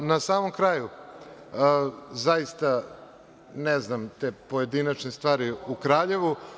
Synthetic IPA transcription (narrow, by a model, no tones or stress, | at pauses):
nasaːmomkɾaːju | zaist̪a | nɛznamt̪epoje̞d̪inat͡ʃnest̪ʋaːɾiukɾaːʎe̞ʋu